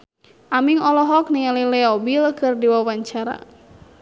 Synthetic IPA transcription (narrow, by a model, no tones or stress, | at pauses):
ʔamiŋɔlɔɦɔkniŋalilɛɔbilkʰɨrdiwawaɲt͡ʃaɾa̰